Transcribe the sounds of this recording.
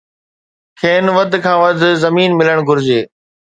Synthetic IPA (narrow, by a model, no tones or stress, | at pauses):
kʰeːnʋəd̪ʱkʰãːʋɐd̪ʱzɐmiːnmɪləɽ̃ɡʱʊɾɪd͡ʑeː